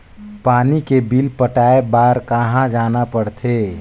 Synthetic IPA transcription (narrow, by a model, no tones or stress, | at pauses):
paːnikebilpəʈaːebaːɾkəɦãd͡ʒaːnapəɽt̪ʰeː